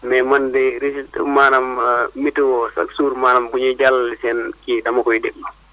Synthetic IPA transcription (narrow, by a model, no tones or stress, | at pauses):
mɛmandɛɾistmanamːituwɔsa̰ksuɾmanambuɲɛd͡ʒalːsɛnkidamakɔjdɛɗːɔ